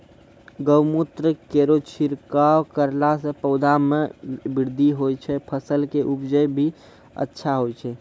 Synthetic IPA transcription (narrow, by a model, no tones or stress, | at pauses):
ɡəwmut̪ɾəkeɾot͡ʃʰiɾkawkəɾlasə̃pəʊd̪ʱamebiɾd̪ʱiɦojt͡ʃʰɛpʰəsəlkeʔupd͡ʒəjbʱi | ə̰tːʃʰaɦojt͡ʃʰɛ